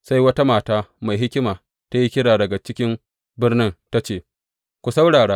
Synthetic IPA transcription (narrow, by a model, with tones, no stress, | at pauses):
sa˦jwɐ˦ta˦maː˨taː˦ma˨jɦɪ˦kʲɪ˦maː˨ | ta˦ji˦kʲɪ˦ɽaː˨dɐ˨ɡa˨t͡ʃɪ˦kʲɪ˦m | bɪ˦rnɪ˦nta˦t͡ʃeː˦˨ | kʷu˨sa˦wɽaː˨ɽaː˦